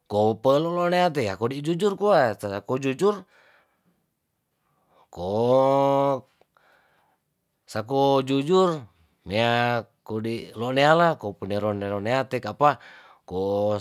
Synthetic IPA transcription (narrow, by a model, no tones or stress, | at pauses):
kopəloʔloʔneat̪̬ejakodid͡ʒud͡ʒurkoaaakod͡ʒud͡ʒur | ko | sakod͡ʒud͡ʒur | meakodiloʔnealakopəneloneloneat̪ekapa | ko